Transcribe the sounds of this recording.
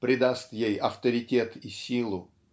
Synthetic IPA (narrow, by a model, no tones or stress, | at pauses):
pɾʲɪd̪ast̪jejɐft̪əɾʲɪtʲet̪isʲilˠʊ